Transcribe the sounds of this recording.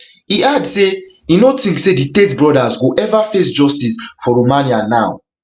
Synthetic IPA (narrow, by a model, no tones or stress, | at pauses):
iadse | ĩnotĩŋkseditetbɹɔdazwuʔɛvafesd͡ʒɔstisfɔɹomãnianaʊ